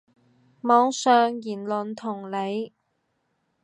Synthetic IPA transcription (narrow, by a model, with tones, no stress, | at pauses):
mɔː˨˧˥ŋsœː˨˧ŋjiː˨˩nlɵ˨nt̪ʰʊ˨˩ŋle˨˧j